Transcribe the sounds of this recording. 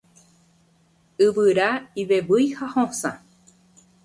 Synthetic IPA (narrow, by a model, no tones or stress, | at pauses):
ɨʋɨɾaiʋeʋɨjhahõsã̰